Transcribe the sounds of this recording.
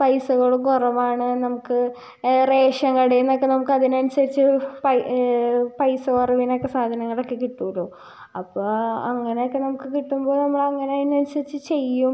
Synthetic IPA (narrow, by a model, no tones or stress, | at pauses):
pɐjsuɣɐɭɽukurɐmaːɳɨnɐmukːɨ | re̞ːʂɐŋːɡɐɐɽejunːokːenɐmukːɨɐðinɐnusɐɾit͡ɕːɨpɐ | pɐjsɐkorɐʋinokːesaːd̪ʱɐnɐŋːɐɭokːekiʈːuloː | ɐpːoːɐŋːɐnejokːenɐmukːɨkiʈːumbo̞ːnɐmːɐɭɐŋːɐneɐðinːɐnusɐɾit͡ɕːɨt͡ɕe̞jːum